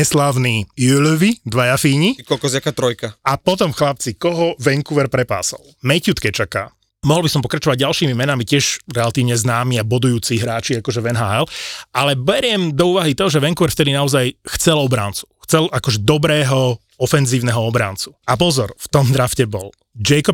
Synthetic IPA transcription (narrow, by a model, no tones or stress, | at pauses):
ɛslaːʊniːjulʋid̪ʋajafiːɲikɔlkɔzakat̪ɾɔjkaapɔt̪ɔmxlap̚t͡sikɔɦɔʋɛŋkuʋɛɾpɾɛpa̰ːsɔ̰l | mɛcut̪kɛt͡ʃaka | mɔɦlˠbisɔmpɔkɾat͡ʃɔʋaɟ̚ɟalʃiːmimɛnamicɪɛʃɾɛlat̪iːʊɲɛznaːmiabɔd̪ujuːt͡siɦɾaːt͡ʃiakɔʒɛʋɛnɦaːɛlalɛbɛɾɪɛmd̪ɔuːʋaɦit̪ɔɦɔʒɛʋɛŋkuʋɛɾft̪ɛd̪inaɔzajxt͡sɛlɔbɾaːnt͡su̥xt͡sɛlakɔʒɛd̪ɔbɾɛːɦɔ | ɔfɛnziːʊnɛɦɔɔbɾa̰ːnt͡su̥ap̬ɔzɔɾft̪ɔmd̪ɾafcɛbɔl | d͡ʒɛkɔp